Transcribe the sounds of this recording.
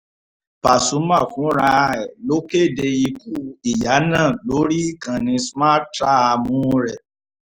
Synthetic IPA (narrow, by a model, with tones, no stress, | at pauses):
pa˨sũ˨˦mã˦˨fũ˨˦ɾa˧ɛ˨lo˦ke˦˨de˧i˧ku˦i˨ja˨˦nãː˦˨lo˨˦ɾi˦kã˨nĩ˧sma˦ta˦a˧mũ˦˧ɾɛ˨